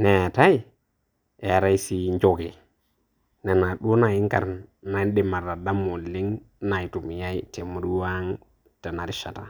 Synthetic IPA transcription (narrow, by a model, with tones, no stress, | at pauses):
ne˨ta˦i˦ | e˨a˨ɾa˦i˦si˦ɲd͡ʒo˨ɡe˨ | ne˨na˨ɗu˦na˨ji˦ŋka̰˨ɾna˨˦ɗi˦˨ma˨ɾa˨da˦mo˨lːi˦ŋ | na˨ji˨tu˨m˨ja˦i˦te˨mu˨ɾu˦wa˦ŋ | ta˨na˨ɾi˦ʃa˨ta˨